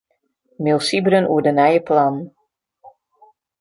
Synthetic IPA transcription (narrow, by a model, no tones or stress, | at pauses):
milˠsibɾənʔuədənɛjəplan